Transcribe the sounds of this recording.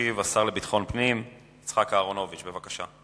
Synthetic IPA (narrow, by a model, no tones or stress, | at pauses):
ivasaʁle̞bit̪χo̞npnim | it͡sχakaːʁo̞no̞vit͡ʃbe̞vakaʃa̰